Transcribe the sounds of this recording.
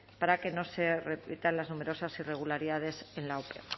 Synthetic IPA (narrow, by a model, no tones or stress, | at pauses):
paɾake̞no̞se̞repit̪anlaznume̞ɾo̞sasire̞ɣ̞ulaɾiðað̞e̞se̞nlaopḛ